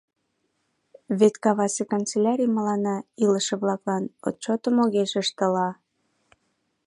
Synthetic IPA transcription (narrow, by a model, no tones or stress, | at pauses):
βet̪kɑβɑsekont͡selʲɑɾʲijməlɑnɑiləʃĕβlɑklɑno̰t̪̚t͡ɕot̪əmoɣeʃəʃt̪ə̆lɑ